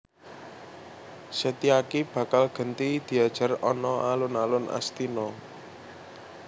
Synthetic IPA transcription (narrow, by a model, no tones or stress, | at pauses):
sət̪iakib̥ä̤kalɡ̥ə̤nt̪id̪̥i̤ad̥ʒ̥a̤rɔnɔʔalʊnalʊna̰st̪inɔ